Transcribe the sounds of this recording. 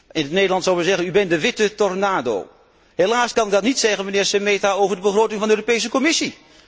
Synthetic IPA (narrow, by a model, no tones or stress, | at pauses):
ɪnətnejdəlɑntsɔwˠʋəzɛɣənybɛndəʋɪtətɔrnaːdo̰ː | helaːskɑnɪkɡ̚dɑtnitsɛɣənmənɪːɹsəmeːtaoːvəɹdəbəχroːtɪŋvɑndəøːropejs̬əkɔmɪsi